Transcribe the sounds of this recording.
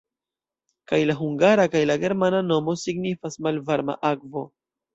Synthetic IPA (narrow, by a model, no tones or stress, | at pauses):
kajlaɦuŋɡaɾakajlaɡe̞ɾmanano̞mo̞siɡnifasmalvaɾma̰ʔakvo̞̰